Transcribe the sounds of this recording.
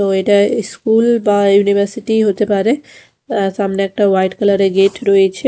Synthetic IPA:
t̪oeʈaiskulbajunibʱaɾsiʈiɦot̪epaɾe | samneɛk̚ʈawajʈkalaɾeɡeʈɾɔet͡ɕʰe

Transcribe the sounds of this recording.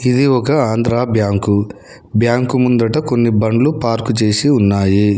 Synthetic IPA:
id̪iɔkɐaːnd̪ɾaːbjaːŋku | bjaːŋkumund̪ɐʈɐko̞nːibɐɳɖlupaːɾkut͡ʃeːsiunːaːji

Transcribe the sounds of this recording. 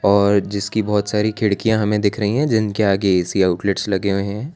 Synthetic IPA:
ɔːɾd͡ʒɪskibɔːt̪saːɾikʰɪɽkijãɦɐmẽd̪ɪkʰɾɐɦĩɦɛ̃d͡ʒɪnkeaːɡeɛːsiaːʊʈlɪʈslɐɡeɦoɦɛ̃ː

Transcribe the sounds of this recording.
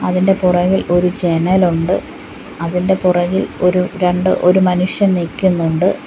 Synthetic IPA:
ɐðinde̞purɐɣilo̞ɾut͡ɕenɐluɳɖɨ | ɐðinde̞purɐɣilo̞ɾuɾeɳɖɨ̰ʔoɾumɐnuʂjɐnnilkʲːunːuɳɖɨ

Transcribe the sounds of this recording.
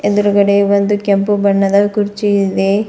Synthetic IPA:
ed̪uɾukɐɽeʋond̪ukempubɐɳːɐd̪ɐkuɾt͡ʃiid̪e

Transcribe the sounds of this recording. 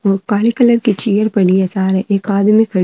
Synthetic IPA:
kaːɭikɐləɾkit͡ʃijəɾpɐniɐsaːɾeʔeːkaːd̪mikʰɐ

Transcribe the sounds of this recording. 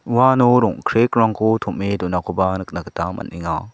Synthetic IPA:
wanoɾɔŋkʰɾek̚ɾaŋkʰutʰummedunakʰubanɯk̚naktamɐ̰nʔiŋa

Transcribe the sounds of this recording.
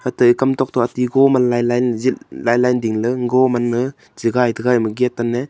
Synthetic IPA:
hatɯikamtɔk̚tɔatiɡɔmanlajlajnzil̚lajlajndiŋlɯŋɡɔmanːɯ | ziɡajtɯɡajmɯɡetːane

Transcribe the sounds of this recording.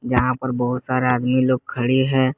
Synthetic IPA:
d͡ʒɐɦãpɐɾbɐɦʊt̪saːɾeaːd̪miloːɡ̚kʰɐɽiɦɛ̃ː

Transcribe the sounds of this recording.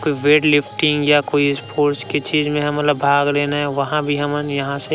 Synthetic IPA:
koːiʋeːʈlɪpʰʈɪ̃ŋɡjakoːispʰoːɾt͡ʃket͡ʃiːzmẽɦɐmːət̪ləbːʱaːɡleːnaɦɛʋɐɦãbʱiɦɐmənjɐɦãse

